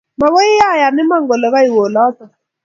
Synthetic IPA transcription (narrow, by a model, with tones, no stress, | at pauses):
ma˨βɔ˦ɪ˦ja˦˨ja˨nɪ˦ma˦ŋɡɔ˨lɛ˨βa˦i˨wɔ˨la˦t͡sa˨